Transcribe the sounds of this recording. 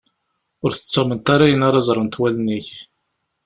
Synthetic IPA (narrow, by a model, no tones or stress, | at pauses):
ʊɾθə̥t͡sːəʁmənt̪aɾæjənaɾˤɑzˤɾˤənt̪wælniç